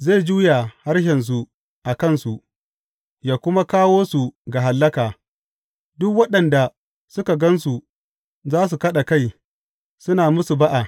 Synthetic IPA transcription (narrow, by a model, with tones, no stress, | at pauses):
ze˦˨d͡ʒuː˦ja˨ha˦ɽʃɛ˨ns̬u˨ | ʔa˨kɐ˦˨nsu˨ʔ | jaː˨kʷʊ˦ma˦kaː˦woː˦su˨ɡa˨ɦa˨lːɐ˦kaː˨ | dʊ˦kwɐ˦ɗɐ˨nda˨ | sʊ˦ka˨ɡɐ˦nsu˨ | zaː˦s̬u˨kɐ˦ɗa˨ka˦j | sʊ˦naː˨mʊ˦su˨ba˦ʔa˨